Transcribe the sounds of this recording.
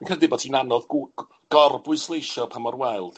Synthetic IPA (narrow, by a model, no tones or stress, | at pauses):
nkʰrɛdɪbɔtʰinanɔð | ɡ̥ɔrbʊɨslˠejʃɔpʰamɔrwɛɨlˠd̥